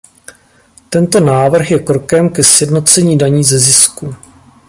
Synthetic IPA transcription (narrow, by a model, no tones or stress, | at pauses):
t̪ɛnt̪o̞naːvr̩xjɛkɾo̞kɛmkɛsjɛdno̞t͡sɛɲiːdaɲiːzɛzɪsku